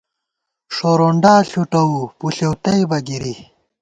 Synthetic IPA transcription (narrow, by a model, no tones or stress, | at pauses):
ʂoːɾoːɳɖaːɬuʈɐupuɬewt̪ɐjbɐɡiɾi